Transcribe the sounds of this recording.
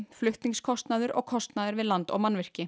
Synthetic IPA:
flʏht̪niŋskʰɔst̪naðʏɾʔɔ̰ɣkʰɔst̪naðʏɾvɪðlant̪ɔ̰ɣmanvɪr̥cɪ

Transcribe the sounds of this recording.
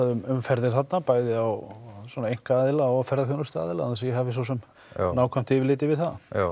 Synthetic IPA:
aðʏmʏmfɛɾðɪɾ̥θat̪napaːjðɪawswɔnaejŋ̥kaaːðɪlaɔfɛɾðaθjonʏst̪a̰ːðɪlaanasɛjɛɦaːvɪs̬ɔwsɛm | naːwkʰvam̥t̪ɪːvɪlɪːt̪ɪvɪðθað

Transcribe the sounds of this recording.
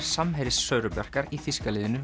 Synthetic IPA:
ɾ̥samɦɛːɾɪsːœɥɾʏpjœr̥kaɾiθiskalɪːðɪnʏ

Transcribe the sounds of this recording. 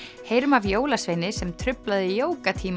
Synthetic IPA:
hejɾmavjoːwlasvejnɪsɛmt̪ʰɾʏplaðɪjoːwkat̪ʰiːm

